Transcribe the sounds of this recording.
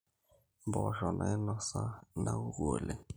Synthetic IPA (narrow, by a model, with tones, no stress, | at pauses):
bɔ˨ʒɔ˨nʔa˨ɛ˦nɔ˦sa˦na˦u˦ɣo˨le˨